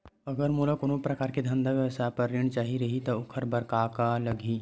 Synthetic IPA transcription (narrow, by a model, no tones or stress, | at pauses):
ɐɡəɾmuːlakoːnõpɾɐkaːɾked̪ʱɐ̃nd̪aʋjɐʋsapɐɾːɪɽ̃t͡ʃaːɦiɾɐɦit̪ɔʊkʰəɾbɐɾkaːkalɐɡʱiː